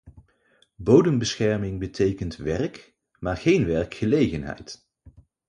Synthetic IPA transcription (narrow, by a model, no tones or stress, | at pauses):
bowdəmbəsχɛɹmɪŋbətʰejkəntʋɛɹk | maːɹχejnʋɛɹkχəlejχənɦɛ̰jt